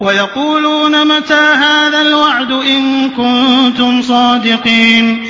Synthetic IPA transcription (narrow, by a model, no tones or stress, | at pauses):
wajɑquːluːnamat̪aːɦaːðalwaʕd̪ʊʔɪnkʊnt̪ʊmsˤɑːd̪ɪqiːn